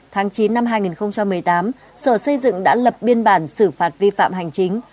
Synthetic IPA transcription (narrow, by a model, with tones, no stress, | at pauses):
t̪ʰaː˨˦ŋt͡ɕi˨˦nːa˧mɦaː˧jŋi˨˩nxə˧wŋ͡mt͡ɕa˧mːɨ˨˩əjt̪aː˨˦m | səː˧˩sə˧jzɨ̰˧˨ŋɗa̰ː˧˥lə˨˩p̚ɓi˧ənɓaː˧˩nsɨ˧˩faː˨˩t̚vi˧fa̰ː˧˨mɦa˨˩jŋ̟t͡ɕï˨˦ŋ̟